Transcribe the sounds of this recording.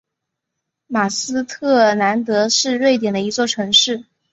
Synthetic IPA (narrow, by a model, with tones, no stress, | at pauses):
ma˨˩sɹ̩˥t̪ʰɤ˥˩na˧˥nt̪ɤ˧˥ʂɻ̩˥˧ɻwe˥˩ɪt̪̬jɛ˨˩nd̪ə˦i˧˥t͡swɔ˥˩ʈ͡ʂʰɤ˧˥ŋʂɻ̩˥˩